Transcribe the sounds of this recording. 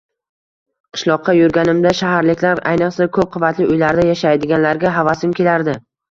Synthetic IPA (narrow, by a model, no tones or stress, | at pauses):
qʰɨ̥ʃlˠɒqʰːɑjʊɾɡʲanɪmd̪aʃaɦaɾlɪkʲlaɾa̰jnɨqsakʰɵp̚qʰʊvat̪ʰlɪʊjlaɾd̪ajaʃajd̪ɪɡʲanlaɾɡʲaɦavasɪmkʲe̞laɾd̪ɪ